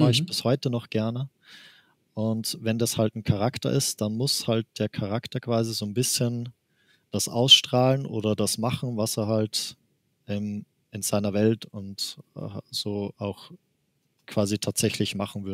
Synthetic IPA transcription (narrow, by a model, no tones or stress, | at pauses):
aɪçb̥ɪshɔʏtənɔχɡ̥ɛɐnə | ʔʊntvɛndashaltn̩kʰaʁ̞aktɐ̰ʔɪ̰std̥anmʊshalt̚d̥eːɐkʰaʁaktɐkv̥aːzizoːnbɪsçən | d̥asʔa̰ʊsʃtʁ̥aːlənʔo̰ːdɐdasmaχn̩vaseːɐɦalt | ʔɛːm | ʔɪnz̥aɪnɐvɛltʊntː | z̥oːʔaʊx | kv̥aːzitʰaːtz̥ɛçlɪçmaχn̩vʏɐə